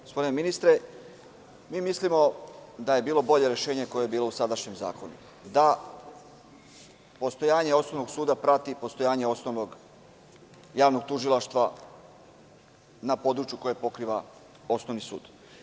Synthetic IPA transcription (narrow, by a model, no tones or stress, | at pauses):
ɡospo̞d̪ineminist̪ɾe̞ | miːmislimod̪aje̞biːlˠo̞bo̞ʎe̞ɾeʃe̞ːɲeko̞jejebiːlˠo̞usad̪aʃɲe̞mza̰ːko̞nṵ | d̪a | po̞st̪o̞jaːɲeo̞snoʋno̞ɡsuːd̪apɾat̪ipo̞st̪o̞jaːɲe̞o̞snoʋno̞ɡ | jaːʋno̞ɡ̚t̪uʒilˠaʃt̪ʋa | napo̞d̪ɾut͡ʃjuko̞je̞po̞kɾiʋa | o̞sno̞ʋnisṵːd̪̥